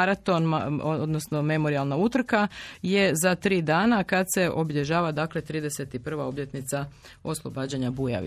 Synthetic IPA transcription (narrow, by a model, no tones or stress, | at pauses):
ɾat̪o̞nmood̪nosno̞me̞mo̞ɾialˠnaut̪r̩kaje̞zat̪ɾiːd̪aːnakad̪se̞ʔo̞biʎe̞ʒaːʋad̪aklet̪ɾiːd̪e̞set̪ipr̩ʋao̞bʎe̞t̪nit̪sa | o̞slˠo̞baːd͡ʑaɲabuja̰ʋḭ